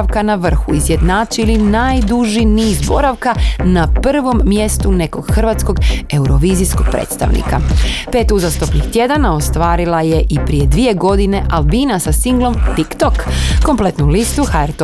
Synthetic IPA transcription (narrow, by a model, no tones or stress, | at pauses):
aʋkanaʋr̩xuizje̞d̪naːt͡ʃilinajd̪uʒiniːzbo̞ɾaʋkanapr̩ʋo̞mːje̞st̪une̞ko̞ɡxrʋat̪sko̞ɡe̞uɾo̞ʋiːzisko̞ɡ̚pɾḛːt̪st̪a̰ʋnḭka̰pe̞ːt̪uzast̪opnixt̪je̞d̪anao̞st̪ʋaːɾilˠaje̞ʔipɾije̞d̪ʋie̞ɡo̞d̪ine̞ʔalˠbiːnasasiŋɡlˠo̞mt̪ikt̪okːo̞mple̞t̪nulist̪uxaeɾt̪o